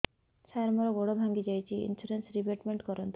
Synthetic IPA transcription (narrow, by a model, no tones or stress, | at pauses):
saɾmɔɾɔɡoɽobʱaŋɡid͡ʒajt͡ʃʰiḭnsuɾensɾibeʈmeɳʈkɔɾɔnt̪